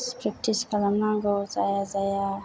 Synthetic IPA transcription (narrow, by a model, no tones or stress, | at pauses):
spɾak̚tʰiskalamlaŋɡozajazaja